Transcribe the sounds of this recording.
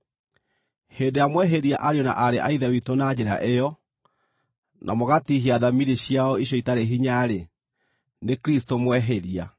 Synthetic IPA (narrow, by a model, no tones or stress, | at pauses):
heːdejamwɛɦeɾiaʔaɾeɔna̰ʔaɾeʔaiðawitonad͡ʑɛɾa̰ʔejɔ | nʔa̰moɣatiɦiaðamiɾeɕiaɔiɕjɔitaɾeɦiɲaɾe | nekɾistomwɛɦeɾia